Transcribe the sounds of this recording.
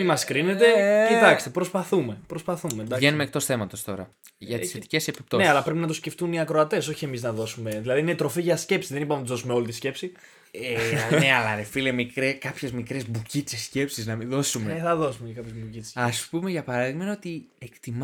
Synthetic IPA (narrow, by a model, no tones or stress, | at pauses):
imɐskɾine̞t̪e̞it̪ɐkst̪epɾo̞spɐθume̞pɾo̞spɐθumend̪ɐenumek̚t̪o̞sθe̞mɐt̪o̞st̪o̞ɾɐ̰ | ʝɐt̪sθet̪i̥ce̞se̞pi̥p̚t̪oneɐlɐpɾepinɐt̪usce̞ft̪uniɐkɾo̞ɐt̪e̞so̞çie̞miznɐðo̞sume̞ðilɐðiinet̪ɾo̞fiʝɐsce̞psiðe̞nipɐmnɐt̪uzðo̞sumeo̞lit̪isce̞psi | eneɐlɐnefilemikɾekɐpçe̞zmikɾezbucit͡sesce̞psiznɐmiðo̞sumeneθɐðo̞sumecɐkɐpçezbucit͡se̥sɐspumeʝɐpɐɾɐðiɣmenot̪iekt̪im